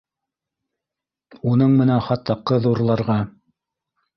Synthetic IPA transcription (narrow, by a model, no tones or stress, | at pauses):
unɤɴmɘ̆nænχɑt̪ːɑqːɤðuɾlˠɑɾʁɑ